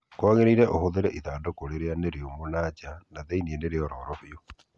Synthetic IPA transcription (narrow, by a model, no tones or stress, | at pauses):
kwaŋeɾiɾeʔohoðeɾɛʔiðadokoɾeɾeaneɾeomonat͡ʃanaðeiniendeɾeoɾoːɾoβio